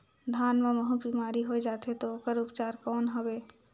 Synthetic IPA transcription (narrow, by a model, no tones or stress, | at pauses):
d̪ʱanmeməɦũbimaɾiɦojd͡ʒat̪ɛt̪ɔokəɾupt͡ʃaɾkɔnɦɔbe